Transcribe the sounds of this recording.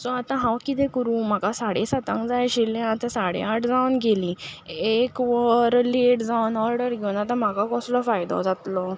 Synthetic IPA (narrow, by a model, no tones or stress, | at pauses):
sɔ̃at̪ãɦãwkit̪ɛ̃kuɾũːm̤akasaɽesat̪ã̰ŋkd͡zajɕilẽat̪ãsaɽḛaʈd͡zawnɡelĩekʋəɾleʈd͡zawnɔɾɖəɾɡʱewnat̪̬ãm̤akakɔslɔfajd̪ɔ̰d͡zat̪lɔ